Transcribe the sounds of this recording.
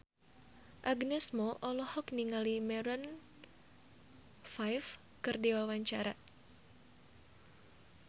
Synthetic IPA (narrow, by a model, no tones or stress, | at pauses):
ʔaɡnɛsmɔʔɔlɔhɔkniŋalimɛɾən | fajf | kɨrdiwawaɲt͡ʃaɾa